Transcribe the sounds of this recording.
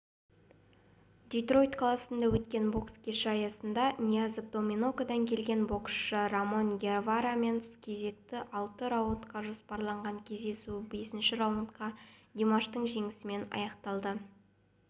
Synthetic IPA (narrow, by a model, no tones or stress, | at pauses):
d̪ʲijt̪ro̞jt̪klˠasənd̪ɑwɵt̪kʲe̞nbo̞kskʲʰe̞ʃɪɑjɑsənd̪ɑnʲiazepd̪o̞mʲino̞kad̪ɑŋkʲʰe̞lɡʲe̞nbo̞ksʃəɾamo̞ŋɡʲervaɾame̞nt̪ʰʊ̥skʲʰe̞ze̞k̚t̪ɪʔɑlˠt̪əɾawt̪qɑʒospɑɾlˠɑɴʁɑŋkʲʰe̞zd̪e̞sube̞sɪnʃɪɾawont̪qɑd̪ʲimaʃt̪əɴʒe̞ŋɪsɪme̞nɑ̰jɑqt̪ɑlˠd̪ə